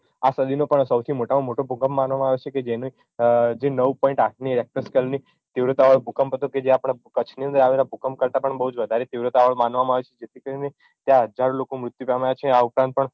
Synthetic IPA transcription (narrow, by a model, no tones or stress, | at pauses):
asəd̪ʱinopəɳsəwt̪ʰimoʈamamoʈobʱukəmːanʋamãaʋet͡ʃʰeked͡ʒeni | d͡ʒenəʋpɔ̃ĩɳʈaʈʰniɾɛk̚ʈəɾskəlni | t̪iʋɾot̪aʋəɭbʱukəmpət̪oked͡ʒeapɽ̃akət͡ʃʰniə̃nd̪əɾaʋelabʱukəmkəɾt̪apəɳbəɦud͡ʒʋəd̪ʱaɾet̪iʋɾət̪aʋəɭmanʋamãaʋet͡ʃʰe̥d͡ʒet̪ʰikəɾine | t̪jãɦəd͡ʒaɾõlokomɾʊt̪jupɛmajat͡ʃʰeaupɾãnt̪̚pəɳ